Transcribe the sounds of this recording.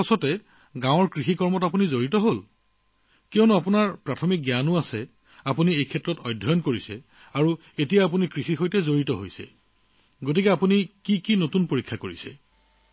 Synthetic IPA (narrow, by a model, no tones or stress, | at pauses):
pasɔtɛ | ɡãw̃ɔɹkɹixikɔɹmɔtapunizoɹitɔɦol | kɛɔnuapunaɹpɹatʰɔmik̚ɡjanuasɛ | apuniejkʰɛtːɹɔtɔjdʱːɔjɔnkoɹisɛ | aɹu | etijaapunikɹixixojtɛzoɹitɔɦo̰jsɛ̰ | ɡotikɛapunikikinotunpoɹikʰːakoɹisɛ̰